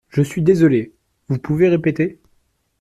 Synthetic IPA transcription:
ʒəsɥid̪ezɔle | vupuveʁepet̪e

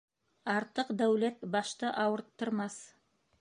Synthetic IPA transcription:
ɑɾt̪ɤqd̪æwlæt̪bɑʃt̪ɤʔɑwɤ̆ɾt̪ːɤ̆ɾmɑs

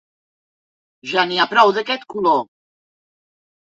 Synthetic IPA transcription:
ʒaniapɾɔwd̪əkɛt̪kulo

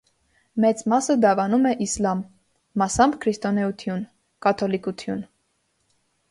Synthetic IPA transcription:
mɛt͡smɑsəd̪ɑvɑnumɛʔislɑmː | ɑsɑmkʰɾist̪ɔnɛut̪ʰjun | kɑt̪ʰɔlikut̪ʰjun

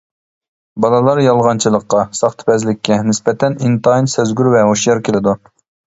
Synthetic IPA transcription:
bɑlˠɑlˠɑɾjɑlˠʁɑnt͡ʃʰɨlˠəqːɑsɑχt̪ʰɨ̥pɛzlɪkʲːɛnɪspɛt̪ɛnint̪ɑjnsøzɡʲyɾvɛɦoʃjɑɾkʲʰelɪd̪u

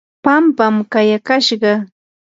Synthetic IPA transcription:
pampamkajakaʃɢɑ

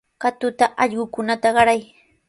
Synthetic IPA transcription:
kat̪ʊt̪aʔɑʎɢʊkʊnat̪aɢɑɾaj

